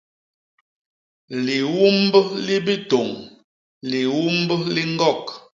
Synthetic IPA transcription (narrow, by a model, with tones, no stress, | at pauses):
li˨wu˦mbli˦bi˦to˨ŋ | li˨wu˦m˦bli˦ŋ˦ɡɔ˦˨k